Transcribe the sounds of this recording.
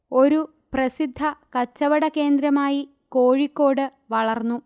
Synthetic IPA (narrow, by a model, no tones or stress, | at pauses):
o̞ɾu | prɐsid̪ʱːɐkɐt͡ɕːɐʋɐɽɐke̞ːnd̪ɾɐmaːji | ko̞ːɻikːo̞ːɽɨ | ʋɐɭɐrnːu